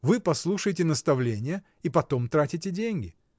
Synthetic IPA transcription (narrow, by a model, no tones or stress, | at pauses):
vɨpɐslˠuʂɨjɪtʲɪnəst̪ɐvlʲenʲɪjə | ipɐt̪o̞mt̪ɾatʲɪtʲɪdʲenʲɡʲɪ